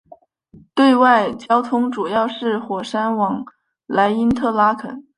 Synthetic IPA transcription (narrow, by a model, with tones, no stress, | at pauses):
t̪we˥˧ɪwa˥˩ɪt͡ɕjɑ˥ʊt̪ʰʊ˥ŋʈ͡ʂu˨˩jɑ˥˧ʊʂɻ̩˥˩xwɔ˨˩ʂa˥nwɑ˨˩ŋ | la˧˥ɪi˥nt̪ʰɤ˥˩la˥kʰə̰˨˩˦n